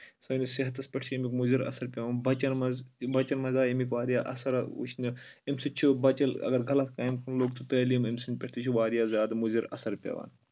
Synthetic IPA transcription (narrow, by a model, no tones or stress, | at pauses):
sɐːniseɦt̪ɐspʲɐʈʰt͡ʃʰemikmuziɾɐ̰sɐɾpʲeʋaːnbɐt͡ʃɐnmɐzbɐt͡ʃɐnmɐzaːimikʋaːɾijaːʔɐ̰sɐɾɐṵt͡ʃʰnɨemsit͡ʃʰubɐt͡ʃɐlɐ̰ɡɐɾɡɐlɐt̪kaːjmkɐnloːɡt̪ut̪ɐːlimemsinʲpʲɐʈʰt̪ʰit͡ʃʰuʋaːɾjaːzʲjaːd̪muziɾɐ̰sɐɾpʲɐ̰ʋa̰ːn